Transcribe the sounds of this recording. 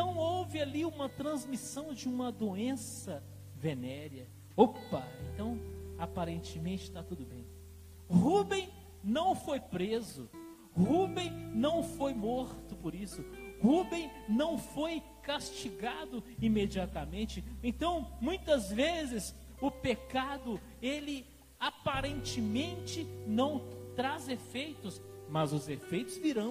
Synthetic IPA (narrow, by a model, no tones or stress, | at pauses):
t̪ɐ̃w̃owvɪaliũmɐt̪ɾɐ̃zmisɐ̃w̃d͡ʒɪũmɐd̪oẽsɐ | venɛɾɐ | opɐḛ̃t̪ɐ̃w̃apaɾẽnt͡ʃɪmẽt͡ʃɪt̪at̪ud̪ʊbḛ̃j̃ | hubẽj̃ | nɐ̃w̃fojpɾezʊ̰ | hubẽj̃nɐ̃w̃fojmoɾt̪ʊpoɾisʊhubẽj̃nɐ̃w̃foj | kast͡ʃiɡad̪ʊimed͡ʒiat̪ɐmẽnt͡ʃɪẽnt̪ɐ̃w̃mũj̃t̪ɐzvezɪs | ʊpekad̪ʊ | elɪ | apaɾẽnt͡ʃɪmẽnt͡ʃɪnɐ̃w̃t̪ɾazefejt̪ʊsmɐzʊzefejt̪ʊzviɾɐ̃w̃